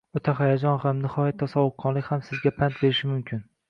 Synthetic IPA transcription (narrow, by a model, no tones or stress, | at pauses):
ot̪ʰaχajad͡ʒɒnhamnɪhɒjat̪ʰːɒsɒwʊqʰːɒnlɪkʲhamsɪzɡʲapʰant̪̚beɾɪʃɪmʊmkʲʰɪn